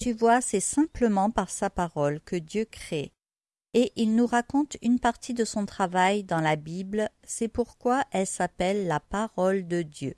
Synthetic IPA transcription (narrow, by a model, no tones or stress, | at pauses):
t̪yvwasɛsɛ̃pləmɑ̃paʁsapaʁɔlkəd̪jøkχe | eʔilnuʁakɔ̃t̪ynpaʁt̪ʰid̪əsɔ̃t̪χavajd̪ɑ̃labibl | sɛpuʁkwaʔɛlsapɛlːapaʁɔld̪əd̪jø